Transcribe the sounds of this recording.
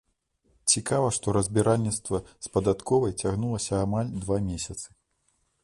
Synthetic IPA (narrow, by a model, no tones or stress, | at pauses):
t͡sʲikavɐʂt̪ɔɾɐzʲbʲiɾalʲnʲit̪st̪vɐspɐd̪at̪kʰɔvɐjt͡sʲaɣnulˠɐsʲɐːmalʲd̪vamʲesʲɐt̪sɨ̥